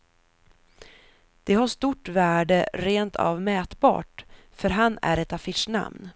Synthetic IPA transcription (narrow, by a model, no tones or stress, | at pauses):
d̪̥ɛɦaʂt̪uʈvæːɖəɾeːnt̪ʰa̰vmɛːt̪bɑ̰ːʈfœɾɦanːæ̰ɾɛt̪afɪʂna̰mn